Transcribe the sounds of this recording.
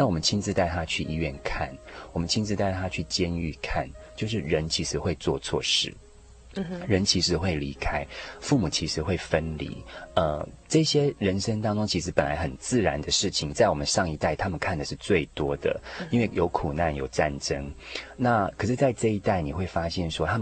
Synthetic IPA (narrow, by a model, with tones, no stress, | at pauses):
na˥˩wɔ˨˩mə˦nt͡ɕʰi˥nt͡sɹ̩˥˧t̪a˥˩ɪt̪ʰa˦˥t͡ɕʰy˥˩ʔi˧ɥɛ˥˨nkʰa˥˩nwɔ˨˩mə˦nt͡ɕʰi˥nt͡sɹ̩˥˧t̪a˥˩ɪt̪ʰa˥t͡ɕʰy˥˩t͡ɕjɛ˦˥ny̰˥˨˩kʰa̰˥˩nt͡ɕjo˥˧ʊʂ̬ɻ̩˥˩ɻə˧˦nt͡ɕʰi˧˥ʂɻ̩˧˥xwe˥˧ɪt͡swɔ̰˥˧t͡sʰwɔ̰˥˧ʂɻ̩˥˩ | ɻə˧˦nt͡ɕʰi˧˥ʂɻ̩˧˥xwe˥˩ɪli˧˥kʰa˥ɪfu˥˩mu˨˩t͡ɕʰi˧˥ʂɻ̩˧˥xwe˥˩ɪfə˦nlḭ˨˦ə˧ʈ͡ʂɤ˥˩ɕjɛ˥ɻə˧˦nʂə˥ŋt̪ɑ˥ŋʈ͡ʂʊ˥ŋt͡ɕʰi˧˥ʂ̬̩˧˥pə˨˩nla̰˧˦ɪxə˨˩nt͡sɹ̩˥˩ɻa˧˦nd̪ə˧ʂɻ̩˥˩t͡ɕʰi˨˩ŋt͡sa˥˩ɪwɔ˨˩mə˦nʂɑ˥˧ŋi˥˧t̪a˥˩ɪt̪ʰa˥mə˨nkʰa˥˩nd̪ə˩ʂɻ̩˥˧t͡swe˥˩ɪt̪wɔ˥d̪ə̰˨˩i˥nwe˥˩ɪjo˧˥ʊkʰu˨˩na˥˩njo˨˩ʊʈ͡ʂa˥˨nʈ͡ʂə˦˥ŋna˥˩kʰə˨˩ʂɻ̩˥˧t͡sa˥˧ɪʈ͡ʂɤ˥˧i˥t̪a˥˩ɪni˨˩xwe˥˩ɪfa˥ɕjɛ˥˩nʂwɔ˥t̪ʰa˥m˨